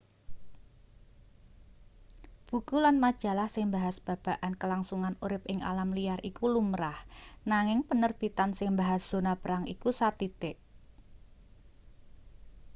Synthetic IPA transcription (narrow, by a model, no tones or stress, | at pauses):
b̥ṳkulanmad̥ʒ̥a̤lahsɪŋbaɦasb̥a̤b̥a̤ʔankəlaŋsuŋanuɾɪp̚ɪŋʔa̰lamlijarʔikulumɾahnaŋɪŋpənərb̥it̪ansɪŋbaɦasd̥o̤napəɾaŋḭkusat̪it̪eʔ